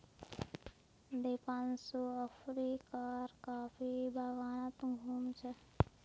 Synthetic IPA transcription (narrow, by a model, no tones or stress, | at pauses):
d̪epaːnsoəpʰɾikaɾkaːpʰibʱaɡaːnət̪ɡʱuːmt͡ʃʰɛ